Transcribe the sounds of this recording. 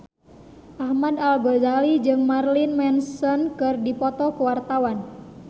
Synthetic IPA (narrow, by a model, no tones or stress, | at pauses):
ʔahmadalɡɔzalid͡ʒɨŋmarlinmɛnsɔnkɨrdipɔt̪ɔkuwart̪awan